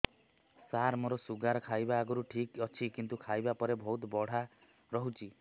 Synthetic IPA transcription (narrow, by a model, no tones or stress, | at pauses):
saɾmoɾɔsuɡaɾɔkʰajbaːɡɔɾuʈʰikɔt͡ʃʰikint̪ukʰajbapɔɾebʱɔut̪bɔɽ̤a | ɾɔɦut͡ʃʰi